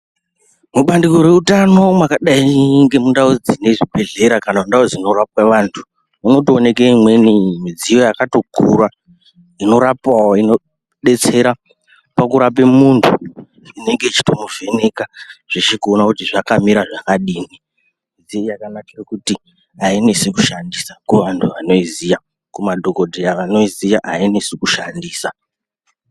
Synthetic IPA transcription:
muɓandiko̞ɾwe̞utano̞mwakaɗaiiŋɡe̞mundaud͡zine̞ʐibʱe̞ɮe̞ɾakanamundaud͡ziino̞rapwaʋantʰu̥ | uno̞tione̞keimwe̞nimid͡zijo̞jakato̞kʰṵra | ino̞ɾapawoino̞ | ɗe̞t͡se̞ɾa | pakuɾap̬emuntʰu | ine̞ŋɡet͡ʃi̥to̞muvʱe̞ne̞kaʐ̥et͡ʃekuonakutiʐakamiɾaʐakaɗiːni | mid͡zijojakanakerkuti | ainesekuʃandisḁkeʋantʰuʋano̞izija | kumadʱoko̞dʱejaʋano̞izijaʔainesekuʃandiːsa

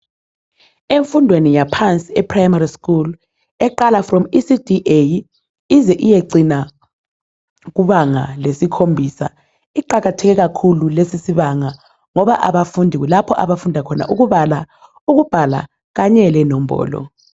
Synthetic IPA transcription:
eɱfundʱwenijapʰant͡sʼiɛpʰrajmariskul | ɛǃalafrɔmisidiʔej | izɛʔijeǀina | k̬uβaŋa̰lesikʰombʱisa̰ | iǃaɣatʰɛɣ̬ɛk̬akʰululesisiβaŋa | ŋɔβaʔaβafundʱik̬ulapʰɔʔaβafundʱakʰɔna̰ʔuk̬uɓala | uɣ̬ub̥ʱala̰ | ɣ̬aɲɛlɛnɔm̩bɔ̰ːlɔ̰

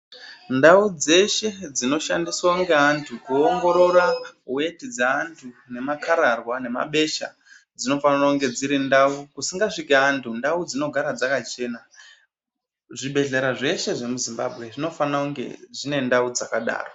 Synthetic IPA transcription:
ndaud͡ze̞ʃe̞d͡zino̞ʃandiswaŋɡe̞antʰukuoŋɡo̞ɾo̞ɾawe̞tid͡zaantʰune̞makaɾarwane̞ma̰ɓe̞ʃa̰ | d͡zino̞fanarauŋɡe̞d͡ziɾindaukusiŋɡaʂikeantʰundaud͡zino̞ɡʱaɾad͡zakat͡ʃe̞ːna | ʐiɓe̞ɮeɾaʐe̞ʃe̞ʐe̞muzimba̰bʱɣe̞ʐino̞fanauŋɡe̞̰ʐine̞ndaud͡zakaɗa̰ːro

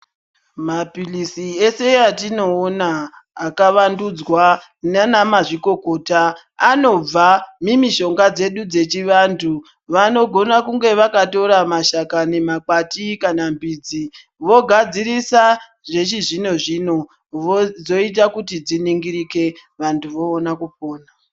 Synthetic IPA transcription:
mapilisie̞se̞atino̞ːnaːkaʋandud͡zwa | nanamaʐiko̞ko̞ːtaː | no̞b͡vamimiʃo̞ŋɡad͡ze̞ɗud͡ze̞t͡ʃiʋantʰu | ʋano̞ɡʱo̞nakuŋɡe̞ʋakato̞ɾamaʃakane̞mak͡patikanambid͡zi | ʋo̞ɡʱad͡ziɾisa | ʐe̞t͡ʃiʐino̞ʐino̞ | d͡zo̞it̬akutid͡ziniŋɡiɾike̞ʋantʰuʋo̞ːnakup̚oːna

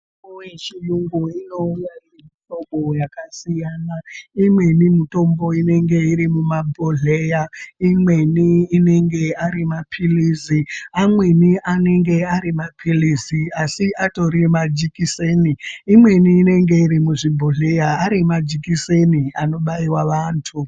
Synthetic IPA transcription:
ojet͡ʃijuŋɡuino̞ujaremitomɓojakasijanaimwe̞nimito̞mbo̞ine̞ŋɡe̞iɾimumabʱoɮe̞jaimwe̞niːne̞ŋɡe̞aɾimapʰiliziamwe̞niʔane̞ŋɡe̞aɾimapʰiliziasiʔato̞ɾimad͡ʒikiseniːmwe̞niːne̞ŋɡe̞iɾimuʐibʱoɮejaːɾimad͡ʒikiseniano̞ɓaiwaʋaːntʰu

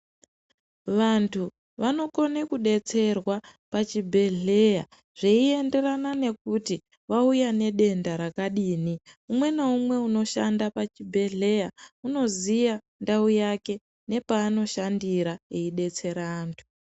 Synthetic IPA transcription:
ʋantʰu | ʋano̞ko̞ne̞kuɗe̞t͡se̞rwapat͡ʃibʱe̞ɮe̞ja | ʐ̥eie̞nde̞ranane̞kuti | ʋaujane̞ɗe̞ndaɾakaɗiːniumwe̞naumwe̞uno̞ʃandapat͡ʃibʱe̞ɮe̞jauno̞zija | ndaujake̞ | ne̞paːno̞ʃandiɾaeiɗe̞t͡se̞ɾaːntʰu̥

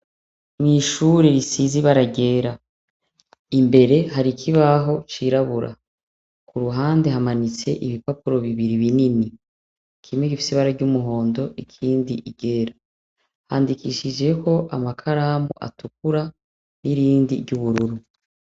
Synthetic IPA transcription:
mwiːʃuːɾeɾisiziβaɾaɟe̞ːɾa | imbe̞ɾe̞haɾikʰiβaɦo̞t͡ʃiɾaβuɾʔa̰ | kuɾuɦaːnde̞ɦamanit͡se̞ʔiβipapuɾo̞βiβiɾiβinini | kʰimŋeɡifi̥siβaɾaɾɟumuɦo̞ːndo̞ʔikʰiːndiʔiɟ̥e̞ɾa | haːndikiʃid͡ʒe̞kʰo̞ʔamakʰaɾaːmṵʔa̰tuk̚uɾa | niɾiːndḭɾɟuβuɾuɾu

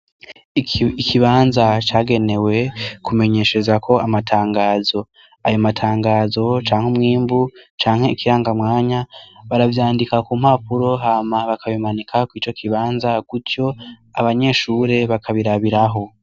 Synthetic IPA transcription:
ikʰiβaːnzat͡ʃaːɡe̞ne̞we̞kume̞ɲe̞ʃe̞zakʰo̞amatʰaːŋɡaːzo̞ | ajomatʰaːŋɡaːzo̞t͡ʃaːŋ̥humŋiːmbut͡ʃaːŋhe̞ikʰiɾaːŋɡamŋaːɲaβaɾavjaːndikakuːm̥hapuɾo̞ɦamaβakaβimanikʰakwiːt͡ʃo̞kʰiβaːnzaɡ̥utjo̞ | aβaɲe̞ːʃuɾe̞βakʰaβiɾaβiɾaɦo̞

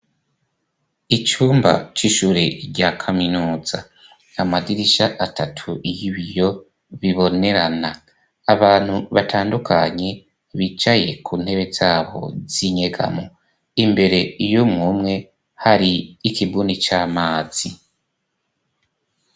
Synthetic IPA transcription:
it͡ʃuːmba̰t͡ʃiʃuɾeɾɟakʰaminuːz̥a | amaɡiɾiʃaʔatʰatʰuʔijiβijo̞ | βiβo̞ne̞ɾanaː | βaːn̥huβatʰaːndukʰaɲe | βit͡ʃaje̞kʰuːn̥he̞βe̞zaːβo̞̰z̥iɲe̞ɡa̰mo | imbe̞ɾe̞ijomŋumŋe̞ | haɾiikibuːnit͡ʃaːmaːz̥i

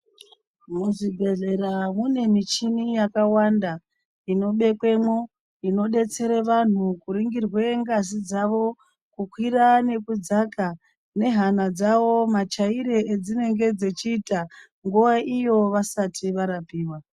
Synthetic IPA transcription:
muʐibʱe̞ɮe̞ɾamune̞mit͡ʃinijakawanda | ino̞ɓe̞kwe̞mo | ino̞ɗe̞t͡se̞ɾeʋan̤ukuɾiŋɡirwe̞ŋɡazid͡zaʋo̞ | kukwirane̞kud͡zaka | ne̞ɦanad͡zaʋo̞mat͡ʃaiɾe̞ʔed͡zine̞ŋɡe̞d͡zet͡ʃiːta | ŋɡuʋaʔijo̞ʋasatʰiʋaɾapiːwa

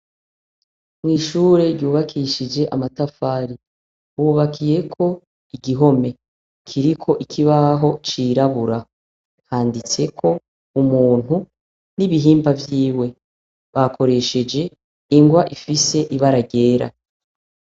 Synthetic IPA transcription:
mŋiːʃuːɾe̞ɾɟuːβakʰiʃid͡ʒe̞ʔamatafaːɾi | uβakʰije̞kʰo̞ | iɡiɦo̞me̞ | kʰiɾikʰo̞ʔikʰiβaɦo̞t͡ʃiːɾaβuɾa | haːndit͡se̞kʰo̞ | umuːn̥u | niβiɦiːmbavjiːwe̞ | βakʰo̞ɾe̞ʃe̞d͡ʒe̞ | iŋɡwaʔifise̞ʔiβaɾaɡɟe̞ːɾa̰

